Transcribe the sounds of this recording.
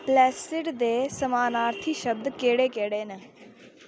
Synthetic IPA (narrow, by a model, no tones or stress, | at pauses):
plɛːsɪʈd̪eːsəmaːnaːɾt̪ʰiːʃəb̚d̪keːɽeːkeːɽeːnə